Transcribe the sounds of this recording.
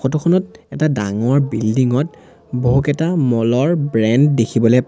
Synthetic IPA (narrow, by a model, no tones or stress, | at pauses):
ɔtɔkʰɔnɔt̚ɛtadaŋɔɹbildiŋɔt | boɦukɛtamɔlɔɹbɹɛnddekʰibɔlɛp